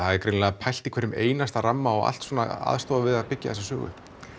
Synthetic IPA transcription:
θaðɛɾkɾenlaːapʰajl̥t̪ikʰvɛɾnːʏmeːjnast̪aramːaɔɣa̰lt̪soːna̰a̰ðst̪oːðavɪðaðpɪcːa̰θɛsasœ̰ːɣʏ̰

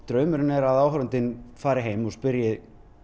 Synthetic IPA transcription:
t̪ɾœːɥmʏɾnɛɾaðaːwɦɾant̪ɪnfaːɾɪɦejmɔspɪɾjɪð

